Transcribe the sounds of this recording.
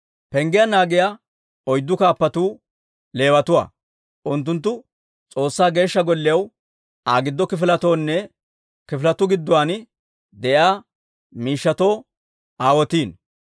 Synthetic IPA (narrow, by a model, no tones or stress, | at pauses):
pɛŋɡɪjɐnaːɡɪja | ɔjd̪ːʊkaːpːɐt̪uː | le̞ːwɐt̪ʊwa̰ː | ʔʊnt̪̬ːʊnt̪̬ːʊ | t͡sʼo̞ːsːaːɡe̞ːʃːɐɡɔlːɪjɐw | ʔaːɡɪd̪ːɔkɪfɪlɐt̪o̞ːnːɛ | kɪflɐt̪ʊɡɪd̪ːʊwaːn | d̪ɛʔjaː | miːʃːɐt̪o̞ː | aːwɔt̪iːn